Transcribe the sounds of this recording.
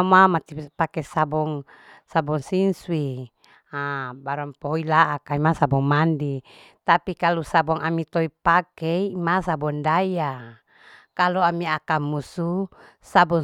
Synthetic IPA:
mamat̪ipakɛsabɔŋ | sabɔŋsinswi | abaɾɔmpɔilaʔːkaimasabɔŋmandi | t̪apikalusabɔŋamit̪ɔipakɛmasabɔndaja | kaluamiakamusu | sabɔ

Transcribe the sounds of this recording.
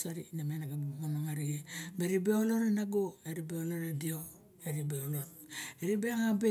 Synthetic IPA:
saɾḭnamenaɡabmonoŋaɾiɡebeɾibeoloɾenaɡoeɾibeoloɾedio | eɾibeoloteɾibeaŋabe

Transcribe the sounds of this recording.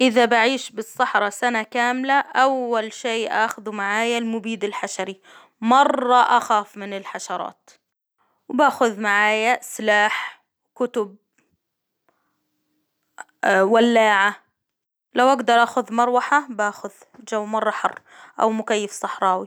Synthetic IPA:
ʔɪðabaʕiːʃbɨsˤːɑħɾˤɑsanakaːmlaʔawːalʃeːʔaːxʊðumaʕaːjalmʊbiːd̪ɪlħaʃaɾi | mɑrˤːɑʔaxaːfmɪnɪlħaʃɑɾˤɑ̰ːt̪ | wbaːxʊðmaʕaːjaslaːħ | kʊt̪ʊb̚ | walːaːʕa | lawʔaɡd̪ɑɾˤʔaːxʊðmɑɾˤwaħabaːxʊð | d͡ʒawːmɑrˤːɑħɑrˤː | ʔa̰wmʊkajːɪfsˤɑħɾˤɑːwi

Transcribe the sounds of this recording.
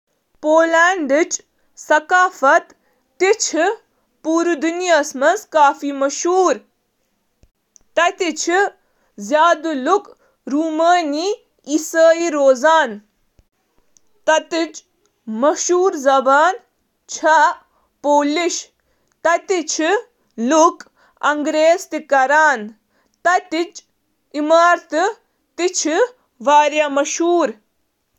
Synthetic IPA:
poːlaːɳɖɨt͡ʃ | sɐkaːfɐt̪ː | it͡ʃʰi | puːɾud̪unijɐsmɐnskaːfimɐʃuːɾ | t̪ɐt̪it͡ʃʰi | zjaːd̪uluk | ɾuːməːni | isəːiɾoːzaːn | t̪ɐt̪it͡ʃ | mɐʃuːɾzɐbaːn | t͡ʃʰa | poːliʃ | t̪ɐt̪it͡ʃʰi | luk | ɐŋɡɾeːzt̪ikɐɾaːn | t̪ɐt̪it͡ʃ | imaːɾt̪ɨ | t̪it͡ʃʰi | ʋaːɾjamɐʃuːɾ

